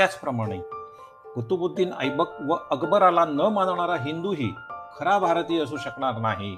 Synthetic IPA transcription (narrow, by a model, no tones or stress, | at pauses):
at͡spɾəmaɽ̃ḛ | kət̪ubud̪ʱːiːnə̰jbək̚ʋəʔəɡbəɾalanəmand̪ɳaɾaɦind̪uɦiːkʰəɾabʱaɾt̪iːəs̬uːɕəkɳaɾnaɦi